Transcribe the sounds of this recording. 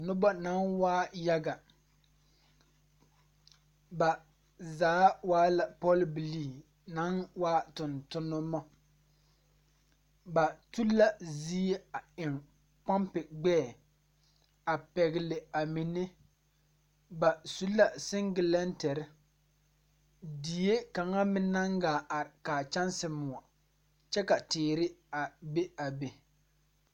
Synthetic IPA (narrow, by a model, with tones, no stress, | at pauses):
nʊ˦bɔ˦na˦nwaː˦ja˦ɡa˨ | ba˨ | zaː˨˦waː˦la˨pɔ˦lbi˨li˨ | na˨˦nwaː˦tʊ˨ntʊ˦nːʊ˦mɔ˦ | ba˨tu˦la˦zi˦e˦a˨ɪ˨ŋ | pa˦mpɪ˨ɡ͡bɛː˦˨ | a˨pɛ˨ɣɪ˨lɪ˨a˨mi˨ne˦ | ba˨su˦la˦sɪ˦ŋɡɪ˨lɛ˦ntɛ˨ɾɪ˦ | di˨je˦ka˨ŋa˦mɪ˦na˦ŋɡaː˨a˨ɾɪ˨kaː˨t͡ʃa˦nsɪ˨mʊ˨a˨ | t͡ʃɛ˦ka˨tɪː˨ɾɪ˦a˨be˦a˨be˨